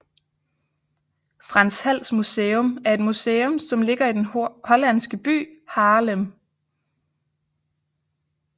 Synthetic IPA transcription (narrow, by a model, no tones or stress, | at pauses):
fʁɑ̈nshæl̰smuseːɔmæɐe̝d̥museːɔmsɒ̽mle̝ɡ̥ɐid̥enhɒ̽læn̰sɡ̥əb̥y̰ːhɑ̈ːləm